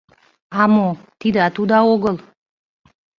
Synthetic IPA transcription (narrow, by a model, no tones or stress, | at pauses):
ɑmot̪id̪ɑt̪ud̪ɑoɣəlˠ